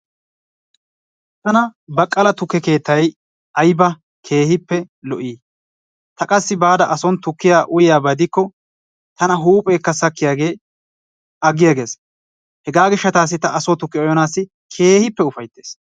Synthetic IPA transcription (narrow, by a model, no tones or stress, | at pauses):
t̪ɐnɐbɐkʼːɐlɐt̪ʊkːɛke̞ːt̪ːɐj | ʔɐjbɐ | kʰe̞ːhɪpːɛ | lɔʔiː | t̪ɐkʼɐsːɪbaːd̪ɐʔɐsɔnt̪ʊkːɪjaːʔʊjɪjaːbɐd̪ɪkːɔ | t̪ɐnɐɦuːpʼɛːkːɐsɐkːɪjaːɡe̞ː | ɐɡɪjaɡe̞ːs | hɛɡaːɡɪʃːɐt̪aːs̬ːɪt̪ɐʔɐsɔt̪ʊkːɛɔjɔnaːsːɪ | kʰe̞ːhɪpːɛʊfɐjt̪ːe̞̥ːs